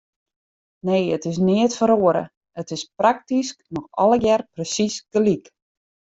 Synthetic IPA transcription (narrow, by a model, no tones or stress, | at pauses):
neːətɪs̬niətfəɾoəɾə̰ | ətɪsprak̚tisknɔxɔ̰ləɡjɛrprəsisɡ̥əlik